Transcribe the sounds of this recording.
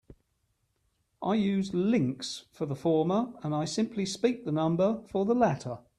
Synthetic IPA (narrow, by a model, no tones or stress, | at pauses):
ʔaɪjʉːzlɪ̃ŋksfəðəfɔːməɹə̃naɪsɪ̃mpʰlispiˑk̚ðənʌ̃mbəfəðəlætʰə